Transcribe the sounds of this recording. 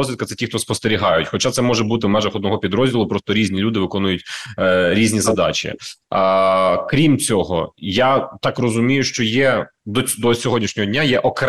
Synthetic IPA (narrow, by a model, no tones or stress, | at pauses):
ɔzʲʋʲit̪kɐt̪ɛtʲixt̪ɔspɔst̪eɾʲiɦɑjʊtʲxɔt͡ʃat̪sɛmɔʒɛbut̪ɪwmɛʒɐxɔd̪nɔɦɔpʲid̪ɾɔzʲdʲilˠʊpɾɔst̪ɔɾʲizʲnʲilʲud̪ɪʋɪkɔnʊjʊtʲɾʲizʲnʲizɐd̪ɑ̰t͡ʃɪ̰ | kɾʲimt͡sʲɔɦɔ̰jat̪ɑkrɔzʊmʲijʊʃt͡ʃɔjɛd̪ɔd̪ɔsʲɔɦɔdʲnʲiʃnʲɔɦɔdʲnʲajɛʔɔkɾ